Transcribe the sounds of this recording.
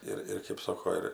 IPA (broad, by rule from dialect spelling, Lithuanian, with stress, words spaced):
ˈɪr ɪr kʲeːp ˈsoːkoː ˈɪr